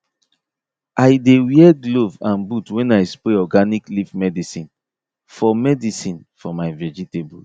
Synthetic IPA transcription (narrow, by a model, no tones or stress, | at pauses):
ʔajdewiɛɡlovãnbutwɛ̃najspɾeɔɡaniklifmɛdisĩn | fɔmɛdisĩn | fɔmaɪvɛd͡ʒitebu